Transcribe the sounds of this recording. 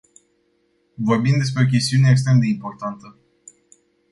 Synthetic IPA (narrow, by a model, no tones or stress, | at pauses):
vo̞rbimd̪e̞s̬pɾe̞ok̬ʲe̞st̪iuneːks̬t̪ɾe̞md̪e̞impo̞rt̪ant̪ə